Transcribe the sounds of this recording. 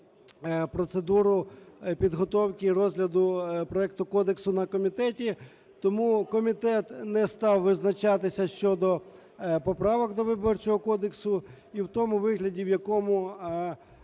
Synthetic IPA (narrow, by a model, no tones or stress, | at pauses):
pɾɔt̪sed̪uɾʊpʲid̪ɦɔt̪ɔwkirɔzɦlʲɐd̪ʊpɾɔɛk̚t̪ʊkɔd̪eksʊnɐkɔmʲit̪ɛtʲi | t̪ɔmukɔmʲit̪ɛt̪nɛst̪ɑwʋɪznɐt͡ʃɑt̪ɪsʲɐʃt͡ʃɔd̪ɔ | pɔpɾɑʋɔɡd̪ɔʋɪbɔrt͡ʃɔɦɔkɔd̪eksʊ | iwt̪ɔmʊʋɪɦlʲɐdʲiwjɐkɔmʊ